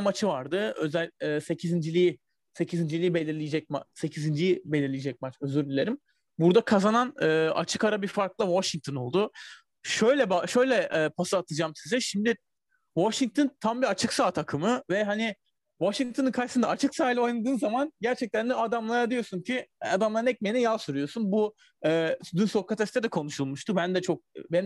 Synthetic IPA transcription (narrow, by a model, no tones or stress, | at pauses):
mat͡ʃʰɯvaɾd̪ɯøzælʲɛːse̞cʰizind͡ʒilʲiji | se̞cʰizind͡ʒilʲijibe̞lʲiɾlʲijed͡ʒɛc̚mase̞cʰizind͡ʒijibe̞lʲiɾlʲijed͡ʒɛc̚mat͡ʃø̞zyɾlʲylʲe̞ɾim | buɾd̪akʰazananɯːa̰t͡ʃʰɯkaɾabiɾfaɾklˠɯvaʃiŋk̚t̪ʰono̞lˠd̪ʊ | ʃøjlʲɛbaʃø̞jlʲɛʔɛːpʰasaːt̪ʰɯd͡ʒaːmsizɛʃimd̪ɪ | vaʃiŋk̚t̪ʰont̪ʰambiat͡ʃʰɯksaːt̪ʰakʰɯmɯvɛɦani | vaʃiŋ̚t̪ʰonɯkʰajsɯnd̪aːt͡ʃʰɯksaːilʲo̞jnad̪ɯːnzamanɟæɾt͡ʃʰɛc̚t̪ʰænd̪ɛad̪amlˠaɾad̪ijo̞suncʰiad̪amlˠaɾɯnɛc̚mejinijalˠsuɾujo̞sunbu | ɛːsyd̪ynso̞kʰːat̪ʰɛst̪ɛd̪ɛkʰo̞nuʃulˠmuʃt̪ʰubænd̪ɛt͡ʃʰo̞k̚ben